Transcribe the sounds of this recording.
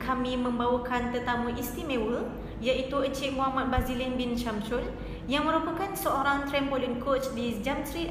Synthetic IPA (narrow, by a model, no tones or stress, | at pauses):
kʰamĩmə̃mbawakant̪ət̪amũʔist̪imẽwə | jaʔit̪uət͡ʃiʔ̚moɦamat̪̚bɾazilinbint͡ʃamsʊl | jaŋmə̃ɾupəkansəoɾaŋt̪ɾɛmpolinkot͡ʃdid͡ʒamsɾit̪